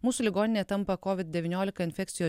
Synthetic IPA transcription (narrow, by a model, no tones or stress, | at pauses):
muːsʊlʲɪɡoːnʲɪnʲeːt̪ɐmpɐkɔʋʲɪt̪̚d̪ʲɛʋʲɪnʲoːlʲɪkɐɪnʲfʲɛkt̪sʲɪjoː